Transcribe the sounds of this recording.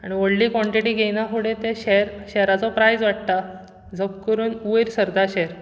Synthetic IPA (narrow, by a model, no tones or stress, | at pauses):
aɽ̃ioɽliːkʋɔ̃ɳʈiʈiːɡʱenãkuɽẽt̪ẽɕeɾɕɛɾat͡sɔpɾajd͡zʋaʈ̚t̪a | d͡zəb̚kəɾuːnuʋeɾsəɾd̪ʱaɕeɾ